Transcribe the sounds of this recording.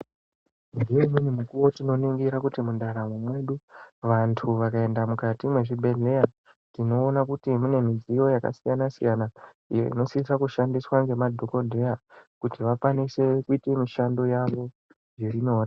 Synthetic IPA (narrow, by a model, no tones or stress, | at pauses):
ndijeminimukuwo̞tino̞niŋɡiɾakutimundaɾamwemwe̞ɗuʋantʰuʋakae̞ndamukatimwe̞ʐibʱe̞ɮe̞ja | tino̞ːnakutimune̞mid͡zijo̞jaka̰sijanasijana | ijo̞̰ḭno̞sisakuʃandiswaŋɡe̞madʱo̞ko̞dʱe̞jakutiʋakwanise̞kuite̞miʃando̞jaʋo̞ | ʐirino̞ːra